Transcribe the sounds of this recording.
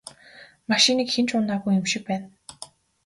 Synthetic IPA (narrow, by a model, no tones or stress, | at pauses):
maʃiniːkxent͡ɕʊnaːɣujɵmʃɪ̆k̚pæːn